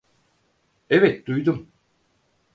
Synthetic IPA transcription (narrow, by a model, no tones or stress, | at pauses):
evɛt̪̚d̪ujd̪um